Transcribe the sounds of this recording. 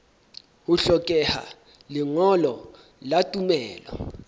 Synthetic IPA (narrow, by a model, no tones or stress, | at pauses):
uɬɔkʼɛha̰ | liŋɔlɔ | latʼumɛːlɔ̰